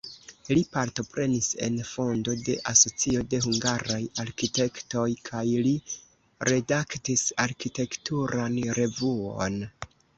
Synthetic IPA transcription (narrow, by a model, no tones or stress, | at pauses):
lipaɾto̞pɾe̞nise̞̰nfo̞ndo̞de̞ʔaso̞t͡sio̞de̞huŋɡaɾajaɾkite̞kto̞jkʰajli | ɾe̞daktisaɾkite̞ktuɾanɾe̞vuo̰n